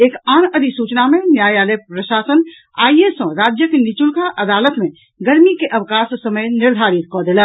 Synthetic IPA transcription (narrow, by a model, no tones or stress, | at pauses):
eːkaːnəd̪isuːt͡ʃnamẽnjaːjaːlepɾəʃaːsən | a̰ːiesɔ̃ɾaːd͡ʒjəkenit͡ʃulkaʔɐd̪aːlət̪mẽ | ɡɐɾmikeʔɐʋkaːssəməjnɪɾd̪ʱaːɾit̪̚kɔd̪ɪlə